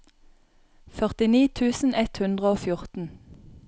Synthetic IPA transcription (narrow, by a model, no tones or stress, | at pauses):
fœʁt̪ɪniːt̪ʰʉːsn̩ɛt̪hʉnd̪ʁəoːfjʊʁt̪n̩